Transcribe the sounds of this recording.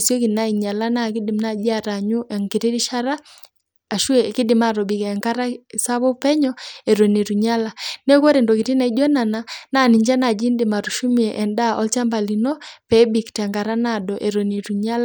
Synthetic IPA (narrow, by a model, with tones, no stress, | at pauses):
sjɔ˦ki˨na˦i˨ɲa˨la˦na˦˨kɪ˦dɪ˨mna˦˨d͡ʒi˦a˨ɾa˨ɲu˦ʔɛ˨ŋki˨ti˦ɾi˦ʃa˦ɾa˦ | a˨ʃu˦ɛ˨kɪ˦dɪ˨ma˨ɾɔ˨bi˨kɛ˨ŋka˦ɾa˦˨sa˦βɔ˦pɛ˦ɲɔɛ˨ɾo˨ni˨ɾu˨ɲa˦la˨nɛ˦kɔ˦ɾɛ˨ndɔ˨kɪ˨ti˦na˨i˦d͡ʒɔ˦na˨na˦na˦˨ni˨ɲd͡ʒa˦na˨d͡ʒi˦ndɪ˨ma˨ɾu˨ʃu˦mi˨ɛ˨ʔɛ˨nda˦ʔɔ˦lt͡ʃa˦mba˨li˨nɔ˦pɛ˨˦bi˨ktɛ˨ŋɡa˨ɾa˦na˦˨dɔ˨ʔɛ˨ɾo˨ni˨ɾu˨ɲa˦la˨